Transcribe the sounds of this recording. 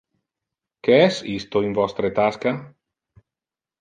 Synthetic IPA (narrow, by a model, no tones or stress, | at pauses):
keɛsist̪oiɱvɔst̪ɾet̪aska